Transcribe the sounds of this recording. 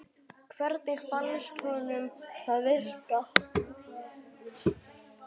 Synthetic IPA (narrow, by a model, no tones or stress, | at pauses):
kʰvɛɾt̪̚nɪxfanːskʰɔnʏmθaðvɪr̥ka